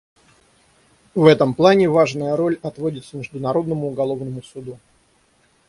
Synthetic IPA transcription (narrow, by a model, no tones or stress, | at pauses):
vɛt̪əmplˠanʲɪvaʐnəjəɾo̞lʲɐt̪vodʲɪt̪səmʲɪʐd̪ʊnɐɾo̞d̪nəmʊːɡɐlˠo̞vnəmʊsʊd̪u